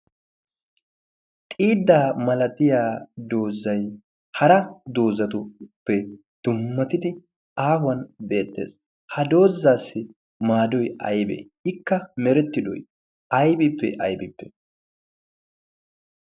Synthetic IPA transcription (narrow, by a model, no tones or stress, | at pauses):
t̪ʼiːd̪ːaːmɐlɐt̪ʼɪjaːd̪o̞ːzːɐj | hɐɾɐd̪o̞ːzɐt̪ʊpːɛ | d̪̥ʊmːɐt̪ɪd̪ɪ | ʔaːhwɐnbe̞ːt̪ːḛːs | hɐd̪o̞ːzːaːsːɪ | maːd̪ɔjɐ̰jbɛ̰ | ɪkːɐmɛɾɛt̪ːɪd̪ɔ̰j | ʔɐjbɪpːɛ̰ʔɐjbɪpːɛ̥